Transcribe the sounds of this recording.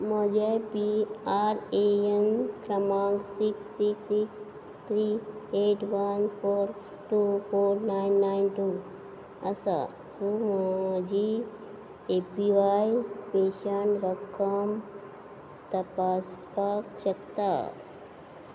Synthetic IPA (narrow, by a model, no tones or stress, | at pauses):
mɔd͡ʒapiaɾeenkɾɐmãŋɡsiksːiksiks | t̪ʰɾieʈʋɐnfʰoɾ | ʈufoːɾnajnːajnʈu | ɐsa̰ | t̪umd͡ʒi | epiʋajpeːʃəɳɾəkʰəm | t̪ɐpaspakt͡ʃəkt̪a̰